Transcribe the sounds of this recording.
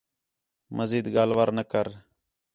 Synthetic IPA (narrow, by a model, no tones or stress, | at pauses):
məziːd̪ɡaːlʋaːɾnəkəɾ